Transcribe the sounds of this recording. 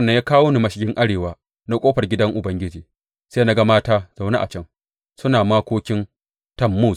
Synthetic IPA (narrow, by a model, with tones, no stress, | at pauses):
nːɐ˦ɲjaː˦kaː˦wo˦ni˨mɐ˨ʃɪ˨ɡʲɪ˦ŋʔa˦ɽeː˨waː˦ | na˦kʷʼoː˦ɸɐ˨rɡʲɪ˦dɐ˦ŋʔʊ˨bɐ˦ŋɡʲɪ˦d͡ʒiː˨ | seː˦na˦ɡa˦maː˦taː˦z̥a˨wna̰˦ʔa̰˨t͡ʃɐ˦ŋ | sʊ˦naː˨maː˦kʷoː˦kʲɪ˦n | tɐ˦˨mːu˦˨s